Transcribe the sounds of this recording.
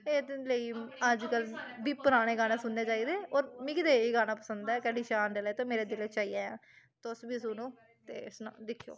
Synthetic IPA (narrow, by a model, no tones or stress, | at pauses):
eːd̪ləiːəd͡ʒkəlbiːpəɾaːɽ̃eːɡaːnãːsʊnːeːt͡ʃaːiːd̪eːoːɾmɪkd̪eːiːɡaːnaːpəsənd̪aɛːkɛɖiːʃaːnɖeːlɛːt̪õːmeːɾeːd̪ɪleːt͡ʃaːiːaːjã̰ːt̪sbiːsʊnũː | t̪ḛːsna̰d̪ɪkʰijo̰ː